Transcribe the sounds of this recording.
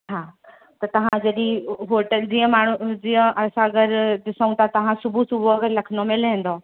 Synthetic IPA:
ɦãː | t̪ɐt̪ɐʋ̤ãd͡ʑɐɗĩɦoːɾʈəld͡ʑĩːə̃maːɳ̤ud͡ʑĩːə̃ʔɐsãɐɡəɾɗ̪ɪsəũt̪ʰat̪ɐʋ̤ãsʊbʱusʊbʱuɐɡəɾlɐkʰənd̪omẽlɦẽːn̆d̪o

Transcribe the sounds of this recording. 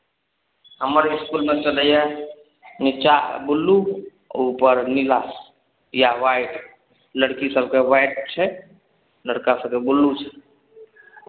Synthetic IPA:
ɦəməɾɪskulmet͡ʃələja | nit͡ʃa̰bulːu | upəɾnilaːs | jaʋajʈ | ləɽkisəlkeʋajʈ̚t͡ʃʰɛ | ləɽkasə̃kebulːut͡ʃʰɛ̥

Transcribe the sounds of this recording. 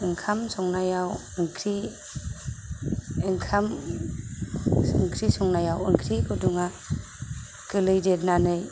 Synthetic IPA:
ɯŋkʰamsɔŋnajaw | ɯŋkʰɾi | ɯŋkʰam | ɯŋkʰɾisɔŋnajawɯ̰ŋkʰɾikʰuduŋa | kɯlɯjdet̚nanɯj

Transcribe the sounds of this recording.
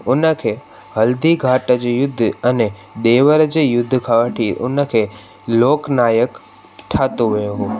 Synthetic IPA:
unəkʰe | ɦəld̪iɡʱaʈəd͡ʒejʊd̪ʱːəne | ɗ̪eʋəɾəd͡ʒejʊd̪ʱːkʰaʋəʈʰiṵnəkʰe | loːknajək | ʈʰat̪oʋəjoɦo

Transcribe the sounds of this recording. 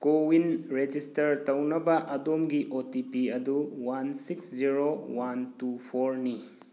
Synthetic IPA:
kowinɾed͡ʒistɐɾtɐwnɐbɐʔɐdomɡiʔotipiɐduwansiksziɾowantupʰoɾni

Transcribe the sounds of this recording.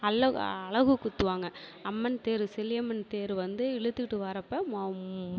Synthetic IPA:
ɐɭɐɐɭɐɣɯkʊt̪ːɯʋaːŋɡɐɐmːɐnt̪eːɾɯsɛlɪjɐmːɐnt̪eːɾɯʋɐnd̪ɯɪɭɯt̪ːɯkʈːɯʋɐɾɐpːɐm

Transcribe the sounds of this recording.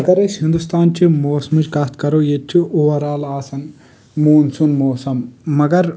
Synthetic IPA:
mɐɡɐɾeʃhind̪ust̪ʰaːnt͡ʃimoːsmud͡ʒkaːst̪kɐɾojet͡ʃʰːiʔuʋɐɾaːlaːsɐn | muːnsunmoːsɐmːɐɡɐɾ

